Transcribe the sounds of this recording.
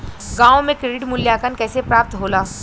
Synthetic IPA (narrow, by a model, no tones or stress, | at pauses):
ɡãːʋõmẽkɾeːɖɪʈmʊljaːkənkɛːsepɾaːp̚t̪ɦoːlaː